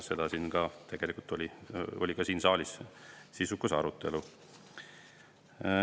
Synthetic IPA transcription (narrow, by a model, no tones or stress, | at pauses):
se̞d̪̥ɑsiːnkɑt̪ʰe̞ɡ̥e̞likult̪ːo̞lʲio̞lʲikɑsiːnsɑːlʲissisukːusɑɾut̪ːˑe̞lu